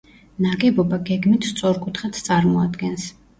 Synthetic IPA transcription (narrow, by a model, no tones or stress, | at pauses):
naɡɛbɔbaɡɛɡmit̪ʰst̪sʼɔɾkʼut̪ʰχat̪ʰt̪sʼaɾmɔad̪ɡɛns